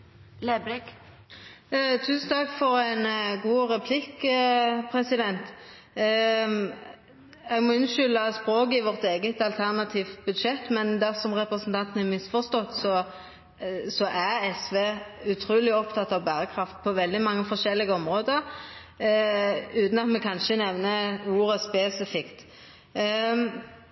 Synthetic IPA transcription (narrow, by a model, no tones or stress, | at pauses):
leblɪk | t̪ʰʉːsn̩t̪ʰɑkːfɔʁɛnɡuːʁɛpʰlɪkː | pʰʁɛsɪd̪ɛnt̪ | ɛɡmɔɪnʃʏlːəspɾoːkɪʋɔʁt̪eːɡət̪ɑlt̪ʰæʁnɑt̪ʰiːft̪bʉd̪ʃɛt̪ːmɛnd̪æʁsɔmʁɛpʁɛsənt̪ʰɑnt̪ənɛmɪsfɔʁst̪ɔt̪ːsɔ | sɔʔæʁɛsʋeːʉt̪ʰɾuːlɪɔpt̪ʰɑt̪ːɑʋbæːʁəkʰɾɑft̪̚pʰɔʋɛld̪ɪmɑŋːəfɔʂɛlːɪɡəɔmʁoːd̪əɾ | ʉːt̪n̩ɑt̪mɛkʰɑnʃənɛʋnəuːɾəspeːsɪfɪkt̪